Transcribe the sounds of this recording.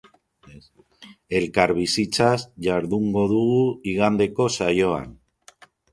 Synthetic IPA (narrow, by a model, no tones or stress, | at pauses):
e̞lkaɾβ̞isit͡ʃazʝaɾðuŋɡo̞ðuɣuiɣand̪e̞ko̞sajo̞a̰n